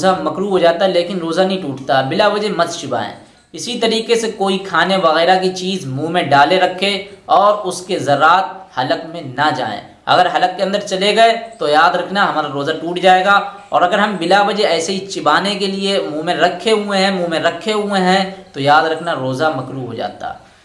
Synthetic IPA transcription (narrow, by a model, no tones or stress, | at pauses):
zamɐkɾuːɦod͡ʒaːt̪aɦɛleːkɪnɾoːzanɐɦĩʈuːʈt̪aɦɛbɪlabɐd͡ʒemɐzt͡ʃɪba̰ːḛ̃ː | ɪsit̪ɐɾiːkesekoːikʰaːneʋɐɣɛːɾak̬it͡ʃiːzmũːmẽɖaːleɾɐkʰːeɔːɾʊskezɐɾːaːt̪̚hɐləkmẽnɐd͡ʒa̰ːḛ̃ː | ɐ̰ɡəɾɦɐləkːeɐ̃nd̪əɾt͡ʃɐleɡɐet̪ojaːd̪ɾɐkʰnaɦɐmaːɾaɾoːzaʈuːʈd͡ʒaːeːɡa | ɔ̰ːɾɐɡəɾɦɐmbɪlabɐd͡ʒeɛːseɦit͡ʃɪbaːnekeliemũːmẽɾɐkʰːeɦʊeɦɛ̃mũːmẽɾɐkʰːeɦʊẽɦɛ̃t̪ojaːd̪ɾɐkʰnaɾoːzamɐkɾuːɦod͡ʒa̰ːt̪a̰